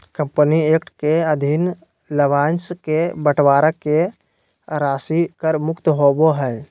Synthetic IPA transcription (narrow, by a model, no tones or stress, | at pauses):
kəmpənieːk̚ʈkeəd̪ʱin | ləbaːnskebəʈʰwaːɾəkːe | ɾaːsikəɾmʊkt̪ɦoːboɦɛː